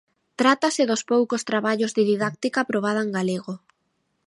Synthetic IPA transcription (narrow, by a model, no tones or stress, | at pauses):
t̪ɾat̪asɪðospowkost̪ɾaβaʎozðɪðiðak̚t̪ikaːpɾoβ̞að̞aeŋɡaleɣo